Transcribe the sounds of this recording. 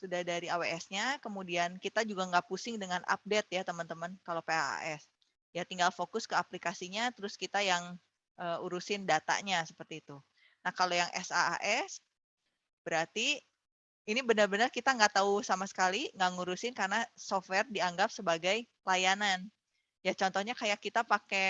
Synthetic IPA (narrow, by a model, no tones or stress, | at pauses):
sudahdaɾiaweɛsɲakəmudiankit̪ad͡ʒuɡaŋɡaʔpusɪŋdəŋana̰p̚det̪̚jat̪əmənt̪əmənkalopea̰a̰ʔɛs | jat̪iŋɡalfokʊskəaplikasiɲat̪əɾʊskit̪ajaŋ | ʔəuɾusɪndat̪a̰ɲasəpərt̪iːt̪u | nahkalojaŋʔɛ̰sa̰a̰ʔɛs | b̥əɾart̪i | inibənərbənərkit̪aŋɡaʔt̪ausamasə̥kaliŋɡaŋuɾusɪnkarnasofwɛrdiaŋɡap̚səbaɡaj | lajanan | jat͡ʃɔnt̪ɔhɲakajakːit̪apake